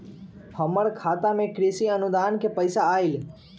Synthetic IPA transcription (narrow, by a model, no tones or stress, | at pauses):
həməɭkʰat̪amẽkɾisiənud̪ankepəjsaːil